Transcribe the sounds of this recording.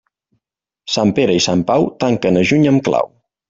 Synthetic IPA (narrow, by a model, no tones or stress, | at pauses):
sampeɾəisampawt̪aŋkənəʒuɲəmkla̰w